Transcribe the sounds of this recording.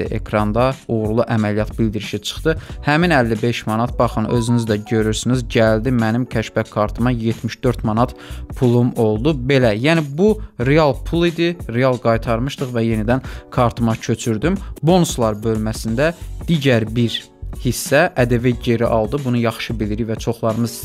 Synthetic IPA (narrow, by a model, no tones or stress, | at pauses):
ḭʔe̞̰kʰɾɑnd̪ɑuɣɾlˠuʔæmælijɑt̪bild̪iɾiʃit͡ʃʰɯ̥χt̪ɯhæminælːibe̞ʃmɑnɑt̪̚bɑχɯnø̞zynyzd̪æɟø̞ɾyɾsynizɟæld̪imænimcʰæʃbækʰːɑɾt̪ʰɯmɑjet̪ʰmiʃd̪ø̞ɾt̪mɑnɑt̪pʰulˠumo̞lˠd̪ube̞læjænibuɾeɑlˠpʰulˠid̪iɾeɑlˠɡɑjt̪ʰɑɾmɯʃt̪ɯχvæje̞nid̪ænkʰɑɾt̪ʰɯmɑcʰø̞t͡ʃʰyɾd̪ymbo̞nuslˠɑɾbø̞lmæsind̪æd̪̥iːɟæɾbiɾ | hisːæʔæd̪eviɟe̞ɾiʔɑlˠd̪ɯbunujɑχʃɯbiliɾivæt͡ʃʰo̞χlˠɑɾɯmɯz